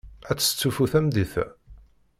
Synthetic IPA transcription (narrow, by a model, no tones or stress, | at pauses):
æt͡sːə̥t͡sːufuθæmðiθæ